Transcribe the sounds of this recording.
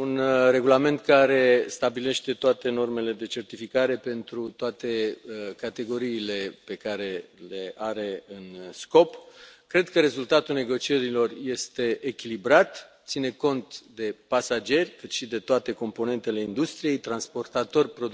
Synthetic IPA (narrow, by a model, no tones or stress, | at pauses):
unre̞ɡulame̞nt̪̚kaɾe̞st̪abile̞ʃt̪e̞t̪oat̪e̞no̞rme̞le̞d̪e̞t͡ʃe̞rt̪ifikaɾe̞pe̞nt̪ɾut̪oat̪e̞kat̪e̞ɡo̞ɾiːle̞pe̞kaɾe̞le̞aɾe̞ɨnsko̞pkɾe̞d̪kəɾe̞zult̪at̪ulne̞ɡo̞t͡ʃie̞ɾilo̞rje̞st̪e̞ʔekʲilibɾat̪t̪sine̞ko̞nt̪d̪e̞pasad͡ʒe̞rʲkɨt̪ʃid̪e̞t̪oat̪e̞ko̞mpo̞ne̞nt̪e̞le̞ind̪ust̪ɾije̞jt̪ɾanspo̞rt̪at̪o̞rʲpɾod̪